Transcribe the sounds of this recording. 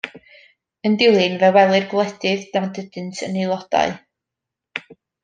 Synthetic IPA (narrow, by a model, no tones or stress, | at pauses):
əndɪlˠɨnvɛwɛlˠɨrɡlˠɛdɨðd̥adədɨntʰənelˠɔd̥a̰ɨ